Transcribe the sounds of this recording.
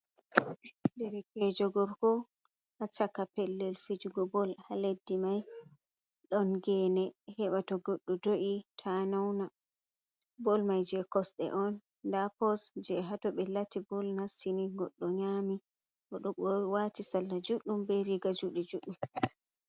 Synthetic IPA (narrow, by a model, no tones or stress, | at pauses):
dɛɾɛkɛd͡ʒɔɡɔɾkɔ | ʔat͡ʃakːapɛlːɛlfid͡ʒuɡɔbɔlhaledːimaj | ɗɔnɡɛnɛhɛɓatɔɡoɗːɔdoʔitʰanawna | bɔlmajd͡ʒɛkɔsɗɛ̰ʔɔnː | dapɔsd͡ʒɛɦatɔɓɛlatibɔlnasiniɡɔɗːɔɲami | ʔɔɗɔɓɔwatisalːad͡ʒuɗːumbɛɾiɡad͡ʒuɗid͡ʒuɗum